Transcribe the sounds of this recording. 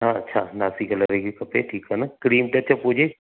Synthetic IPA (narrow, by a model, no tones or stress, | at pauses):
ɦãːɐtːʃʰanaːsikəlɐɾeːɡikɐpeːʈʰiːkɦɛnakɾiːmʈ̪eɐtːʃʰapuːd͡ʒe